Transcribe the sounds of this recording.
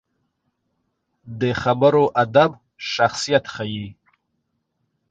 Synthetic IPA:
d̪əxabəɾoʔad̪ab | ʃaxsijat̪xaji

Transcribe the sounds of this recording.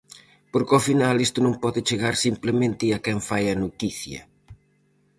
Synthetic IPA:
poɾkɔfinalest̪ʊnõŋpɔðɪt͡ʃeɣaɾsimplemẽnt̪ɪɐkɛɱfajɐnot̪iθjɐ̰

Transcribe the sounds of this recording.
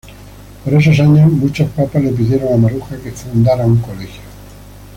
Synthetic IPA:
poɾe̞s̬os̬aɲozmut͡ʃospapazle̞p̬ið̞je̞ɾoŋamaɾuxake̞fund̪aɾauŋkolexjo

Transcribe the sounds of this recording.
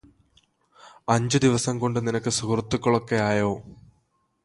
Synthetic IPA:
ɐɲd͡ʑɨd̪iʋɐsɐmko̞ɳɖɨninɐkːɨsukrɐt̪ːukːɐɭokːe̞jaːjo̞ː

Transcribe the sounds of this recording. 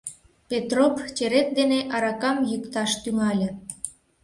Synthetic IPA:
pʲet̪ropt͡ɕeɾet̪̚d̪eneʔɑɾɑkɑmjykt̪ɑʃt̪yŋɑlʲə̆

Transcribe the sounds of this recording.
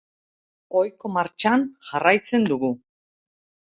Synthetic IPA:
ojko̞maɾt͡ʃanʝarajt͡se̞nd̪uɣu

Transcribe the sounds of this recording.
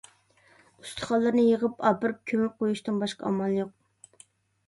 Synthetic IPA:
y̥st̪ʰə̥χɑlˠːɨɾnɨjəʁəpɑpɨɾɨp̚kʲʰømɪp̚qojuʃt̪ɨnbɑʃqɑ̰ɑ̰mɑlˠjoq̚

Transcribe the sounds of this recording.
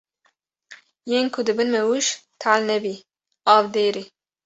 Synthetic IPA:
jeːnkʰʊd̪ɨbɨnmɛwuʃt̪ʰalnɛbi | ɑːvd̪eːɾi

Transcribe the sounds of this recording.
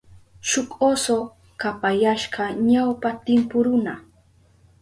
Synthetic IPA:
ʃʊkʼoso | kapajaʃɢɑɲawpat̪ɪmpʊɾʊna

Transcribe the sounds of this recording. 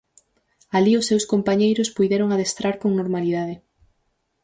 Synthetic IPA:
aliʊsːewskompaɲejɾʊspujðɛɾoŋaðest̪ɾaɾkoŋnoɾmaliðaðɪ

